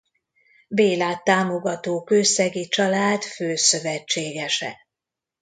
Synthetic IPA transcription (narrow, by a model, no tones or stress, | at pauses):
beːlaːt̪ːaːmo̞ɡɒt̪oːkøːsɛɡit͡ʃɒlaːt̪føːsøvɛt͡ʃːeːɡɛʃɛ̰